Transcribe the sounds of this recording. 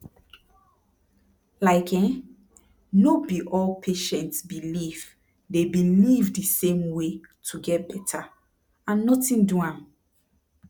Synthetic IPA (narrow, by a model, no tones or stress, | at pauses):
laɪkʰɛ̃ | nobiʔɔlpʰeʃɛ̃ntsbiliv | debilivdisẽmwetʰuɡɛt̚bɛtʰa | ãnːɔtĩnduãm